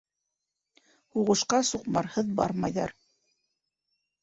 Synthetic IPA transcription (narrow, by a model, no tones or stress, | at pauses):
huʁɤ̆ʃqɑsuqmɑɾhɤðbɑ̰ɾmɑjðɑɾ